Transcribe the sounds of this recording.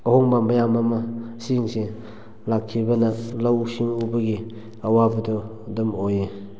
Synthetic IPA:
ahɔŋbambajamamasiŋsi | lakʰːibɐnalawsiŋubɐɡi | awabɐdɔ | dɯmoje

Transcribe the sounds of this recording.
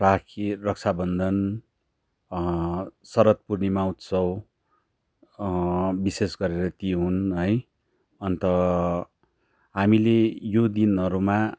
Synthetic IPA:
rakʰirʌk̚t͡sʰabʌnd̪ʱʌn | sʌɾʌt̪̚purnimaut̪sʰʌw | bisesɡʌɾeɾʌt̪iɦunɦʌj | ʌnt̪ʌ | ɦamilejod̪inɦʌɾuma

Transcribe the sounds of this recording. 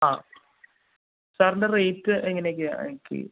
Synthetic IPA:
aː | saːɾɳɖɐreːtːɨʔeŋːɐnek̬ʲːia̰ikːḭ

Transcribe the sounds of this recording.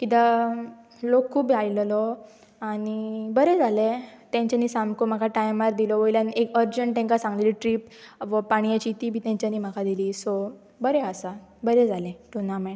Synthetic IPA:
kit̪a | lokʰːuːbiajllɔ | aɽ̃ibəɾɛd͡zalet̪jãɲt͡ɕaniːsamkomakaʈajmaɾd̪ilɔʋəjljanekəɾd͡ʑəɳʈʈ̪ẽŋkasãŋɡliliʈɾiːpʋəpaɽ̃ijat͡ɕit̪iːbʱiːt̪jãɲt͡ɕjaniːm̤akʰad̪iliːsɔ | bəɾeəsabəɾɛd͡zʱalẽʈunamɛ̃ɳ

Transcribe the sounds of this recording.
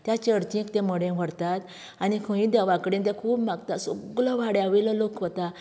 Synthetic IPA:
t̪jat͡ɕəɾt͡ɕ̪ĩkt̪ɛ̃məɽẽʋəɽt̪at̪ | anikʰə̃ĩd̪aʋãkɽẽnt̪ɛ̃kʰuːbmaɡt̪asɔɡlɔʋaɽeaʋilɔlokʋət̪a

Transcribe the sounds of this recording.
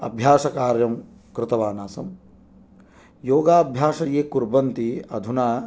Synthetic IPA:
ɐ̰bʱjaːʃɐkaːɾjɐm | kɾɪt̪ɐʋaːnaːsɐm | joːɡaːɐbʱjaːʃɐjeːkuɾbɐnt̪iɐ̰d̪ʱunaː

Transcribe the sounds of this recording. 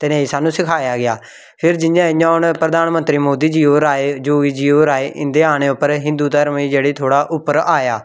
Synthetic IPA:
t̪eːnəisaːnũːsɪkʰaːjaːɡɪaː | pʰɪɾd͡ʒɪjãːɪjãːɦʊɳpɾəd̪aːnmə̃nt̪ɾiːmoːd̪iːd͡ʒiːoːɾaːed͡ʒoːiːd͡ʒiːoːɾaːeːʔɪnd̪eːaːneːʊpːəɾɦɪ̃nd̪uːd̪əɾmiːd͡ʒeːɽiːt̪ʰoːɽaːʔʊpːəɾaːjaː

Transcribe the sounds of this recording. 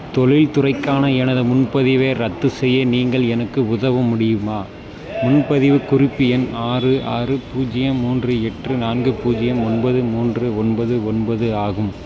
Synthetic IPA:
t̪ɔɭɪlt̪ʊrɐɪkːaːnɐɛnɐðɐmʊnpɐðɪʋeːɾɐt̪ːɯsɛjːɐniːŋɡɐɭɛnɐkːɯʊðɐʋɐmʊɽɪjɯmaː | mʊnpɐðɪʋɯkʊrɪpːɪɛnaːrɯʔaːrɯpuːd͡ʒɪjɐmːuːndrɯɛʈrɯnaːnɡɯpuːd͡ʒɪjɐmɔnbɐðɯmuːndrɯɔnbɐðɯɔnbɐðɯaːɣɯm

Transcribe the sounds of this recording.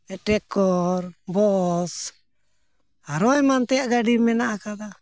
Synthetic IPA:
ɛʈɛkɔɾbɔs | aɾɔɛmant̪ɛjaʔɡaɖimɛnaʔakad̪a

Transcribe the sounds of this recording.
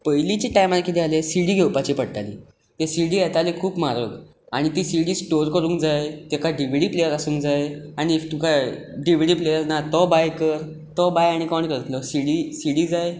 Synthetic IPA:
pəjlit͡ɕiʈajmalkit̪ealesiɽiːɡʱewpat͡ɕipəɽt̪alḭ | t̪esiɽiːɛt̪alekʰuːpmaɾək | aɽ̃it̪isiɽiːsʈoɾkəɾũːŋkd͡zajt̪ekaɖiʋiɽiːplejəɾasũːŋkd͡zajaɽ̃it̪ukaɖiʋɽiːplejəɾnat̪ɔbajkəɾ | t̪ɔbajaɽ̃ikɔɳkəɾət̪lɔsiɽisiɽiːd͡zaj

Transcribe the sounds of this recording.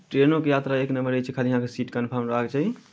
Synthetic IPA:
ʈɾenokejat̪ɾaeknəməɾət͡ʃʰɛkʰaliɦãkesiʈkənpʰəɾmɾakt͡ʃʰaɦi

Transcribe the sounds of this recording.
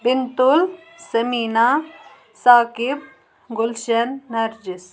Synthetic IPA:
bɪnt̪ʊl | sɐmiːnaː | saːkɪb̚ | ɡʊlʃɐnːɐɾd͡ʒɪs

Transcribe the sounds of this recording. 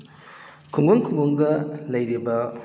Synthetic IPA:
kʰuŋɡoŋkʰuŋɡoŋdɐlɐjɾibɐ

